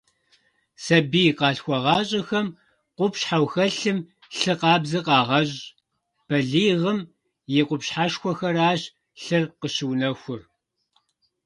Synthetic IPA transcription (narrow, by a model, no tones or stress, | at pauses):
sɐbiqɑːɬxʷɔʁɑːɕʼɐxɐm | qʷʊpɕħawxɐɬɨm | ɬɨqɑːbzɨqɑːʁɐɕʼ | b̥ɐɮiːʁəm | jɛqʷʊpɕħaʂxʷɔxɐraːɕ | ɬɨrqəɕɪwnɐxʷʊr